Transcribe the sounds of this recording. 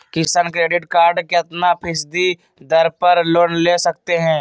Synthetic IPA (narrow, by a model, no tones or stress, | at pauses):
kisənkɾeːɖɪʈkaːɾɖkeɐt̪napʰɪsd̪i | d̪ɐɾpəɾloːnleːsɐk̚t̪eɦɛ̃ː